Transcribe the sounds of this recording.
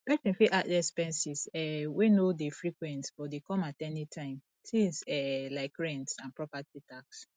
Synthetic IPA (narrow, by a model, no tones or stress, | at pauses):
pɛsɛ̃fiʔatdɛspɛ̃nsizɛwenodefɹikwɛ̃ntsb̥ɔdekɔ̃matɛnitʰãɪ̃m | tʰĩsɛlaɪkɹɛ̃ntsãnpɹɔpatitʰaks